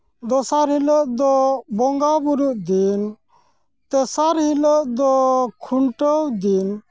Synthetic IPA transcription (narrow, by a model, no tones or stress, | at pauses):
d̪ɔsaɾɦhiləʔd̪ɔbɔŋɡabuɾuʔd̪in | t̪ɛsaɾhiləʔd̪ɔkʰuɳʈəwd̪in